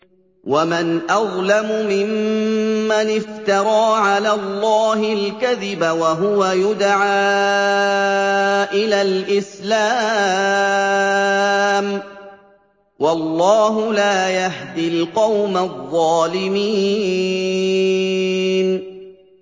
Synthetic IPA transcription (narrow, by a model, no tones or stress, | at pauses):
wamɪnʔɑðˤlamʊmɪmː | anɪft̪ɑɾˤɑːʕalaːlˤːɑːɦɪlkaðɪbawaɦʊwajʊd̪ʕaː | ʔɪlaːlʔɪslaː | m | wɑlːɑːɦʊlaːjahd̪ilqɑwmaðˤːɑːlɪmiː | n